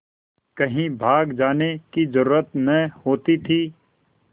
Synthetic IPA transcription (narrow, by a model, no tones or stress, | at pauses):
kɐɦĩbʱaːɡd͡ʒaːnekizəɾuːɾət̪nəhoːt̪it̪ʰiː